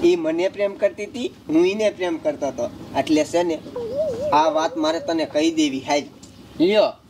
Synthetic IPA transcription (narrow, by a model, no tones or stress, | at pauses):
imənepɾemkəɾt̪it̪i | ɦũinepɾemkəɾt̪aɦət̪oeʈlesene | aʋat̪maɾet̪ənekəid̪eʋiɦad͡ʒ | ijə